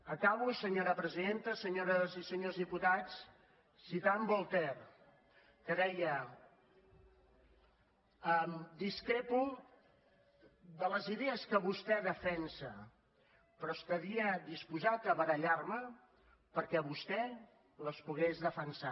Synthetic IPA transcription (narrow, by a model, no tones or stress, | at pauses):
əkaβusəɲoɾəpɾəziðent̪əsəɲoɾəzisəɲozðiput̪at͡s | sːit̪ambɔlˠt̪ɛr | kəðɛjə | əmd̪iskɾepu | ðələziðeəskəβust̪ɛðəfɛnsə | pɾɔst̪əβiəðispuzat̪əβəɾəʎarmə | pəɾkɛβust̪ɛ | ləspuɣezðəfənsa